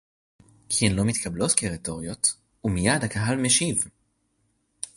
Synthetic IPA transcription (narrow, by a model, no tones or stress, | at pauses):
kʰienlo̞mit̪kʰɐbloskeʁito̞ʁjo̞t | umijadhakaɦalmeʃiv